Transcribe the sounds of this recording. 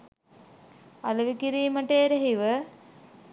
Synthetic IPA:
ɐlɐʋikiɾiːməʈeːɾeɦiʋə

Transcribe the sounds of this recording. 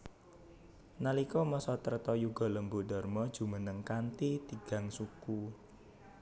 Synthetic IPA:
nalikɔmɔsɔt̪əɾt̪ɔjuɡ̥ɔ̤ləmbudɔrmɔd̥ʒ̥ṳmənəŋkant̪it̪iɡ̥a̤ŋsuku

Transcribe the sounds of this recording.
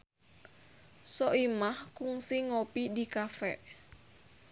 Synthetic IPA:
sɔʔimahkuŋsiŋopidikafɛ̰ʔ

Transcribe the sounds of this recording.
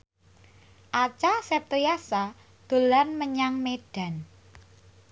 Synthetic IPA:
ʔat͡ʃasɛp̚t̪əjasa | d̪̥o̤lanməɲaŋmeɖ̥a̤n

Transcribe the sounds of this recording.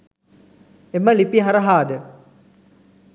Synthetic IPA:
eməlipiɦaɾəɦaːd̪ə

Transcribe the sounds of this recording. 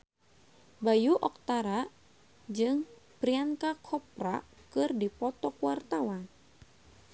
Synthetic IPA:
bajuʔɔk̚t̪aɾa | d͡ʒɨŋ | pɾiaŋkakʰɔp̚rakɨrdipɔt̪ɔkuwart̪awan

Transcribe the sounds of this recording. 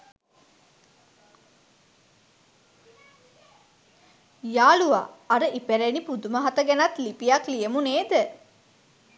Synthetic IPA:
jaːlua̰ːɐɾəʔipeɾenipud̪uməɦat̪əɡænɐt̪lipijɐklijemuneːd̪ə

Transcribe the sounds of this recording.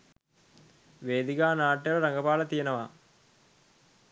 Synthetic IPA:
ʋeːd̪iɡaːnaːʈːjɐlɐɾɐŋɡɐpaːlɐt̪ijenɐʋa

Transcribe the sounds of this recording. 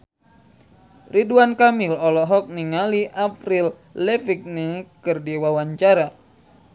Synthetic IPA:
riduankamilɔlɔɦɔk̚niŋaliʔapɾil | lɛfik̚niŋkɨrdiwawaɲt͡ʃaɾa

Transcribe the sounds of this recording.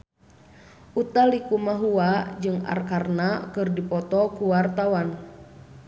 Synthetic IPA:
ʔut̪alikumaɦuad͡ʒɨŋa̰rkarnakɨrdipɔt̪ɔkuwart̪awan

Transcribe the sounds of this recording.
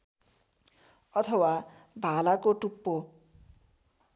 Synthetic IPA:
ʌt̪ʰʌwabʱalakoʈupːo

